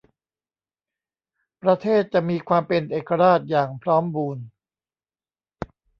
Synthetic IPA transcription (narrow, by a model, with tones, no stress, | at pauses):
pɾa˧t̪ʰeː˥˩t̪̚t͡ɕa˨˩ʔmiː˧kʰwaː˧mpe˧nʔeː˨˩kːa˧ɾaː˥˩t̪̚jaː˨˩ŋpʰɾɔː˦˥mbuː˧n